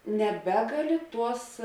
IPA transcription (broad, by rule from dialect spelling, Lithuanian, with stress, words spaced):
nʲɛˈbʲæːɡɐˌlʲɪ ˈtuɔs